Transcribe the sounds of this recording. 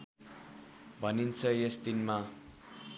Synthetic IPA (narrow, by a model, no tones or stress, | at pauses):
bʱʌnint͡sʰʌjesd̪inma